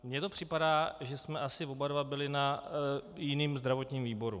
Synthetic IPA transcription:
mɲɛt̪o̞pr̝̥ɪpadaːʒɛsmɛʔasɪvobaɾvabɪlɪna | jɪniːmzd̪ɾavo̞t̪ɲiːmviːbo̞ɾṵ

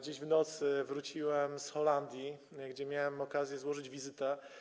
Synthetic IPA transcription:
d͡ʑeʑvnɔt̪sɘvɾut͡ɕiwɛmsxɔland̪ʲjiɡd͡ʑɛmʲjawɛmɔkazʲjɛzwɔʐɘd͡ʑvʲizɘt̪ɛ

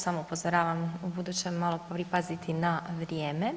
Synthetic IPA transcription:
samoupozoɾaːʋamubud̪uːt͡ɕemːalˠo̞ppɾipazit̪ʰinaʋɾjeːme

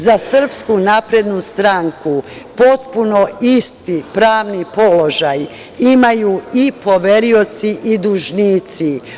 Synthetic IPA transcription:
zasr̩pskunaːpɾed̪nust̪ɾaŋku | po̞t̪punoist̪ipɾaːʋnipo̞lo̞ʒaj | imajuipo̞ʋeɾio̞t̪siʔid̪uʒniːt̪si

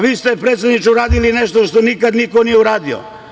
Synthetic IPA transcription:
ʋiːst̪epɾeːt̪sed̪nit͡ʃuuɾaːd̪ilineʃt̪oʃt̪onikad̪nikonijeuɾaːd̪io̰

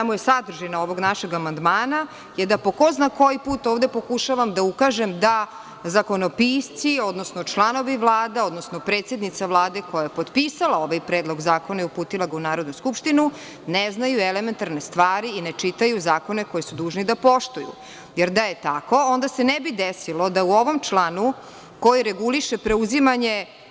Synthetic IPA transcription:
amujesad̪r̩ʒinao̞ʋo̞ɡnaʃe̞ɡamand̪maːna | jed̪apo̞koznako̞jipuːt̪ovd̪epo̞kuʃaʋamd̪aukaʒemd̪a | zako̞nopiːst̪sio̞d̪nosnot͡ʃlˠano̞ʋiʋlˠaːd̪ao̞d̪no̞snopɾeːt̪sjed̪nit̪saʋlˠaːd̪e̞ko̞jajepo̞t̪piːsalˠao̞ʋajpɾeːd̪lˠo̞ɡzaːkonaupuːt̪ilˠaɡaunaːɾo̞d̪nuskupʃt̪inu | neznajuelement̪aɾnest̪ʋaːɾiinet͡ʃit̪ajuzaːko̞ne̞ko̞jesud̪uːʒnid̪apo̞ʃt̪ujṵ | jeɾd̪aje̞t̪ako̞o̞nd̪asenebid̪esilo̞d̪auo̞ʋo̞mt͡ʃlˠanu | ko̞jiɾeɡuliʃepɾe̞uzimaɲe

